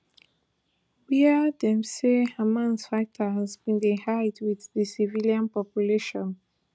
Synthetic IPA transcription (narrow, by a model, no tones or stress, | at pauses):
wiədɛ̃msehamãnsfaɪtʰazbĩndehaɪdwiððəsivilijãnpɔpjuleʃɔ̃n